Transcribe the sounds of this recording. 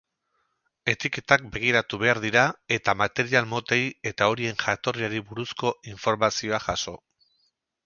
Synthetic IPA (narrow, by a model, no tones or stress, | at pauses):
e̞t̪ike̞t̪ak̚be̞ɣ̞iɾat̪uβe̞aɾðiɾae̞t̪amat̪e̞ɾialmo̞t̪eje̞t̪ao̞ɾie̞ŋʝat̪o̞riaɾiβuɾusko̞iɱfo̞ɾmasio̞aʝaso̞